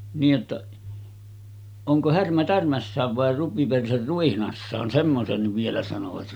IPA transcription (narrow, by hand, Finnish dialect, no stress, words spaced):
niːj jotːɑ oŋko hærmæ tærmæsːæːʋ ʋɑˑe rupiperser ruihnɑsːɑːn semːosenːiʋ ʋielæ sɑnoʋɑt